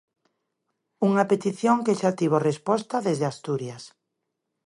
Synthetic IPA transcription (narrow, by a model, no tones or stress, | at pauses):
uŋapet̪iθjoŋkeʃat̪iβ̞orespɔst̪aðezðeast̪uɾjas